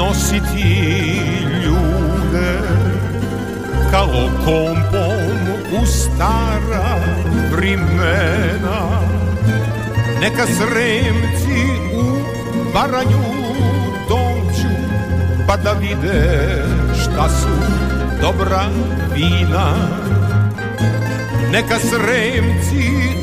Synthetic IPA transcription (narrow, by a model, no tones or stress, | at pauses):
nɔ̃sit̪ʰi | ʎud̪e | kalɔkompom | ust̪aɾɐpɾimɛnɐ | nɛkɐsɾemt̪i | u | vaɾaɲu | d̪ont͡ʃu | pad̪avid̪ɛ | ʃt̪asu | d̪ɔbɾa | viːna | nɛkasɾɛmt̪t͡s̪i